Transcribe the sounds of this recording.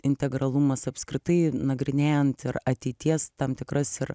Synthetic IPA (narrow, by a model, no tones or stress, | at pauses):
ɪnʲt̪ʲɛɡɾɐlˠumɐsɐpʲskɾʲɪt̪ɐɪnɐɡɾʲɪnʲeːjɛnt̪ɪɾɐt̪ʲɛɪt̪ʲiɛst̪ɐmt̪ʲɪkɾɐsɪɾ